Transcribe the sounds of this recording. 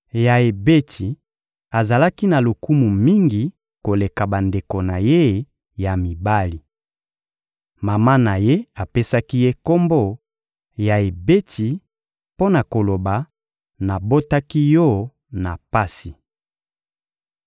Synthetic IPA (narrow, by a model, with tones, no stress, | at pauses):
ja˨e˨be˦tʰi˨ | a˨za˨la˦ki˦na˨lo˨ku˦mu˨mi˦ŋɡi˨ | ko˨le˨ka˨ba˨nde˨ko˨na˨je˦ | ja˨mi˨ba˦li˨ | ma˨ma˦na˨je˦a˨pe˦sa˦ki˦je˦ko˦mbo˦ | ja˨e˨be˦tʰi˨ | po˦na˨ko˨lo˨ba˨ | na˨bo˦ta˦ki˦jɔ˦ | na˨pa˦si˨